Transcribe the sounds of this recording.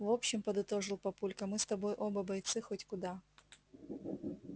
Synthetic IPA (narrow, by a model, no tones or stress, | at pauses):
vo̞pɕːɪmpɐd̪ɨt̪o̞ʐɨlˠpɐpulʲkɐmɨst̪ɐbo̞jʔo̞bɐbɐjt̪sɨxotʲkʊd̪a